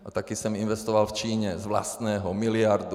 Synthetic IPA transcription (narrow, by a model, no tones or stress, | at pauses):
at̪akiːsɛminʋɛst̪ɔʋalft͡ʃiːɲɛzʋla̰st̪nɛːɦɔmilɪaɾd̪u